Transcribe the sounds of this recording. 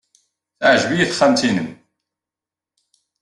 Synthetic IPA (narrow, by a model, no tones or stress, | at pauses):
θʕʒvijiθχæmt̪inəm